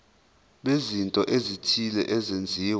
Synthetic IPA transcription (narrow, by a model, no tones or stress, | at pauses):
ɓezintʼɔʔezitʰilɛ̰ʔɛzend͡zʱiːw